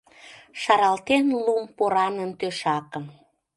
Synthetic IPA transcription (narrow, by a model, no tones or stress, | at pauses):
ʃɑɾɑlt̪enlumpoɾɑnənt̪øʃɑkəm